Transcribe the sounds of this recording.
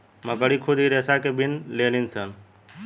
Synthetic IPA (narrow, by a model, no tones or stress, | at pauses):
məkəɽikʰʊd̪ʱiɾeːsakebʱɪnleːninsən